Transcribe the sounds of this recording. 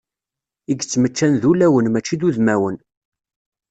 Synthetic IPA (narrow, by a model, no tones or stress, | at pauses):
iɡt͡sːmət͡ʃːænðulæwənmæt͡ʃːid̪uðmæwən